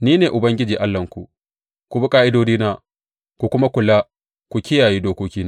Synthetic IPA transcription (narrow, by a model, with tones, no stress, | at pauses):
niː˦neː˨ʔʊ˨bɐ˦ŋɡʲɪ˦d͡ʒiː˨ʔa˦lːɐ˨ŋkʷu˨ʔ | ku˨bi˦kʼaː˦ʔɪ˦doː˦d͡ʒiː˦naː˦ | kʷu˨kʷʊ˦ma˦kʷʊ˨lːa˦ | kʷu˨kʲɪ˦jaː˨ji˦doː˦koː˦kʲiː˦na˦